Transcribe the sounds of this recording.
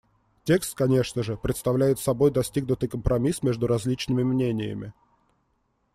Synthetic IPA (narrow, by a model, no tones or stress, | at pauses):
tʲe̞kst̪̚kɐnʲe̞ʂnəʐɨpɾʲɪt̪st̪ɐvlʲæjɪt̪sɐbo̞jd̪ɐsʲtʲiɡnʊt̪ɨjkəmpɾʔɐmʲismʲe̞ʐd̪ʊɾɐzʲlʲit͡ɕnɨmʲɪmnʲenʲɪjə̰mʲɪ̰